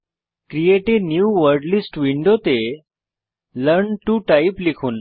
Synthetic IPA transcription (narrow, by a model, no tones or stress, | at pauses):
kɾijeʈeɖnjuːʋəɾɖlisʈʋiɳɖot̪e | ləɾɳʈuʈajiplikʰuːn